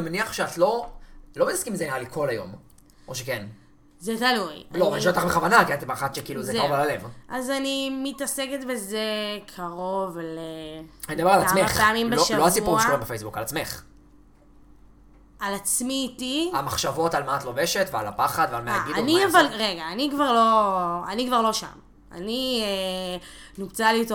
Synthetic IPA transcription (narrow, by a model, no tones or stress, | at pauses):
nimeniaχʃeatlo̞lo̞metaskimizenijalikʰo̞lajo̞̰m | ʔo̞ʃeken | zet̪alujloaniʃot̪aχbeχavanakiant̪emaχat̪ʃekiiːluzekaʁovalalevʔazanimitaseket̪vezekʰaʁo̞vleanidabealameχpeamimbeoʃlohavsipuʁaekoimbefejsbukalat͡smeχ | alat͡smiːtiamaχʃavo̞talmaːt̪loveʃetvea̰la̰paχad̪vealmeaɡidaniavalʁeɡaːnikvaʁlo̞anikvaʁlo̞ʃa̰m | a̰nie | nubt͡salito